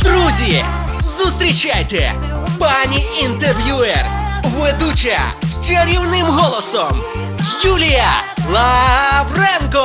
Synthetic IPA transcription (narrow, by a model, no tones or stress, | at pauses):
d̪ɾuzʲi | zust̪ɾʲit͡ʃajt̪ɛ̰ | panʲiint̪erʋʲjuɛr | ʋed̪ut͡ʃɐ̰ʃt͡ʃɐɾʲiwnɪmɦɔlˠɔsɔm | julʲijɐlˠɐwrɛnkɔ